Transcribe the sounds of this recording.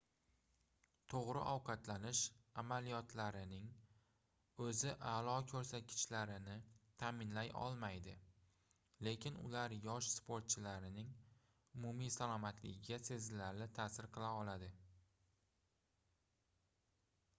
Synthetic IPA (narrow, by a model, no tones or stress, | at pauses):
t̪ʰoʁɾɪ̰ʔɒwqʰɑt̪ʰlanɪʃamalijɒt̪ʰlaɾɪnɪŋ | ɵzɪʔalˠɒkʲʰɵɾsat̪̚kʲʰɪ̥t͡ʃlaɾɪnɪt̪ʰamɪnlajʔɒ̰lˠmajd̪ɪ | le̞kʲʰɪnʊ̰laɾjɒʃspʰoɾt̪̚t͡ʃʰɪlaɾɪnɪŋ | ʊmumijsalˠɒmat̪ʰlɪɡʲɪɡʲase̞zlaɾlɪt̪ʰaːsɪɾqʰɨlˠaɒlad̪ɪ